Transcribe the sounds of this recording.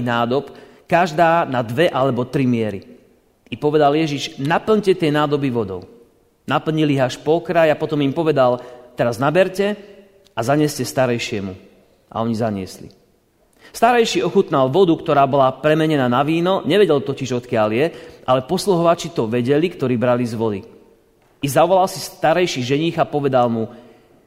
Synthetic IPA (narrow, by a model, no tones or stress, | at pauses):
naːd̪ɔp | kaʒd̪aːnad̪ʋɛʔalɛbɔt̪ɾimɪɛɾi | ipɔʋɛd̪aljɛʒiʒnapl̩ɲcɛt̪ɪɛnaːd̪ɔbiʋɔd̪ɔ̰ʊ | napl̩ɲiliɦaʃpɔkɾajapɔt̪ɔmimpɔʋɛd̪alt̪ɛɾaznabɛɾcɛ | azaɲɪɛscɛst̪aɾɛjʃɪɛmu | ʔa̰ɔɲizaɲɪɛ̰slḭ | st̪aɾɛjʃiɔxut̪nalʋɔd̪ukt̪ɔɾaːbɔlapɾɛmɛɲɛnaːnaʋiːnɔɲɛʋɛɟɛlt̪ɔciʒɔt̪kɪaljɛʔalɛpɔsluɦɔʋat͡ʃit̪ɔʋɛɟɛlikt̪ɔɾiːbɾalizʋɔd̪i | izaʋɔlalsist̪aɾɛjʃiʒɛɲiɣapɔʋɛd̪almu